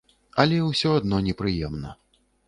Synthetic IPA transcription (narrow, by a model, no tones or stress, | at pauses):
ɐlʲɛwsʲɔad̪̚nɔnʲɛpɾɨjɛmnɐ̰